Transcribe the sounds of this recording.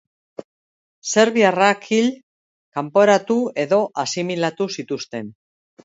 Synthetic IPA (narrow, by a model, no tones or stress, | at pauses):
se̞ɾβiarakʰiʎ | kampo̞ɾat̪ue̞ðo̞ʔasimilat̪usit̪ust̪e̞n